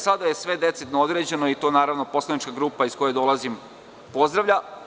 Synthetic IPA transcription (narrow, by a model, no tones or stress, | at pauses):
sad̪aje̞sʋe̞d̪e̞t̪set̪nood̪ɾed͡ʑe̞no̞it̪o̞ːnaːɾaʋno̞po̞slˠanit͡ʃkaɡɾuːpaisko̞jed̪o̞lˠazim | po̞zd̪ɾaʋʎʲa